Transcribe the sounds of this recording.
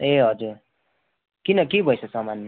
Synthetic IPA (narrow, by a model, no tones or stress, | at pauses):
eɦʌd͡zuɾ | kinʌkibʱʌjsʰʌsʌmanːe